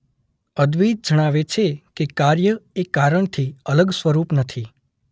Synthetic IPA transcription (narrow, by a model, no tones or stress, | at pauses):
əd̪ʋid̪̚d͡ʒəɽ̃aʋet͡ʃʰekekaɾjəekaɾəɳt̪ʰiələɡsʋəɾupnət̪ʰi